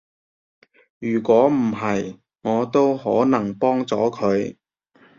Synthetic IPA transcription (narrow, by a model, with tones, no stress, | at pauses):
jyː˨˩kʷɔː˨˥m̩˨˩ɦɐ˨j | ŋɔː˨˧t̪o˥whɔː˨˥nɐ˨˩ŋpɔː˥ŋt͡sɔː˨˥kʰɵ˨˧ɥ